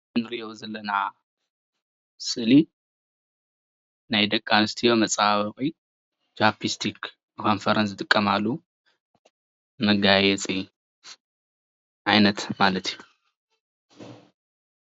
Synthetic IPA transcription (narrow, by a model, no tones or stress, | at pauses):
nɨɾiʔozɐlːɐna | sʼɨli | najd̪ɐkʼːanɨst̪ʰijomɐt͡sʼawɐkʼi | t͡ʃapʰist̪ʰik | kʰo̞nfɐɾɐnsɨt̪ʼɨkʼːɐmalːu | mɐɡajɛt͡sʼi | ʕajnɐt̪malɐt̪ʰiju